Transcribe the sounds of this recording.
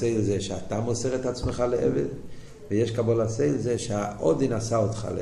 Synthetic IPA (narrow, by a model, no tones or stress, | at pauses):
eɪlzɛʃatamosɛʁɛtat͡sməχaləʔɛ̰vɛd | vɪjɛʃkabolaseɪlzɛʃaʔɔdinasaotχa̰l̰